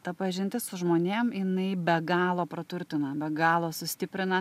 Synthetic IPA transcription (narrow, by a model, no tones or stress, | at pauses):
t̪ɐpɐʒʲɪnʲt̪ʲɪssʊʒmoːnʲeːmjɪnɐɪbʲɛɡɑːlˠoːpɾɐt̪ʊɾʲt̪ʲɪnɐbʲɛɡɑːlˠoːsʊsʲt̪ʲɪpʲɾʲɪnɐ